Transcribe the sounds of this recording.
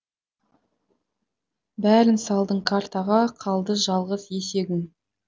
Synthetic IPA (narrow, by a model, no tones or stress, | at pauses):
bæɾɪnsɑlˠd̪əɴkʰart̪ɑʁɑqʰɑlˠd̪əʒɑlˠʁəzje̞se̞ɡʲɪn